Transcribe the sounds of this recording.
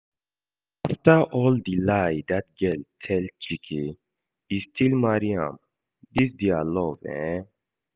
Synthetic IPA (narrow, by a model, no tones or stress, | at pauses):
aftəʔɔldilajdat̚ɡɛltʰɛlt͡ʃikʰe | istʰilmaɹiã̰m | dis̬dealɔvɛ̰̃